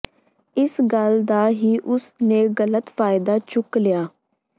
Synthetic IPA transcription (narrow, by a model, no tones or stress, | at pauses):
ɪsɡəld̪aːɦiːʔʊsnẽːɣələt̪faːɪd̪aːt͡ʃʊklɪjaː